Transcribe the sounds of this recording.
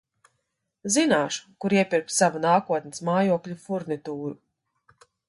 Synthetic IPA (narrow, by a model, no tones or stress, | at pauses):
zinaːʃu̥kuɾiɛpʲiɾpsavunaːkuɔt̪nismaːjuɔklʲufuɾnit̪uːɾu